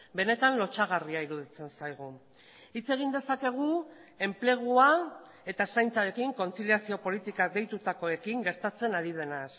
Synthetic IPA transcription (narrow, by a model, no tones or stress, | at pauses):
be̞ne̞t̪anlo̞t͡ʃaɣariaiɾuðit͡se̞nsajɣ̞u | it͡se̞ɣ̞ind̪e̞sake̞ɣ̞ue̞mple̞ɣ̞ua | e̞t̪asajnt͡saɾe̞kiŋko̞nt͡siliasio̞po̞lit̪ikad̪e̞jt̪ut̪ako̞e̞kiŋɡe̞ɾt̪at͡se̞naɾið̞e̞nas